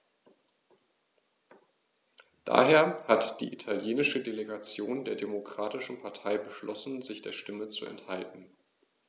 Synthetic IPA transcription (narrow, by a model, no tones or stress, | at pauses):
d̥a̰ːɦeːɐhatd̥ḭːʔitʰaljeːnɪʃədeleɡat͡sjoːndeːɐdemokʁ̥aːtɪʃn̩pʰaɐtʰaɪbəʃlɔsn̩zɪçd̥eːɐʃtɪmət͡suɛ̰nthaltn̩